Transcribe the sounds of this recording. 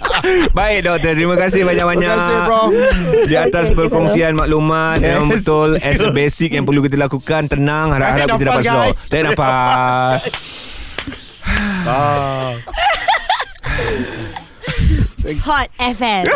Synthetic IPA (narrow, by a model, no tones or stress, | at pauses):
baɪk̚dɔk̚t̪ət̪ɾimãkas̬ɪhbaɲak̚baɲa | diat̪aspərkɔŋsianmaʔlumat̪̚jamə̃mbət̪ʊlɛsbesik̚jaŋpərlukit̪alakukant̪ənãŋhaɾap̚haɾap̚it̪adapat̪̚sɔt̪aʔnapas | hɔt̚ɛfɛm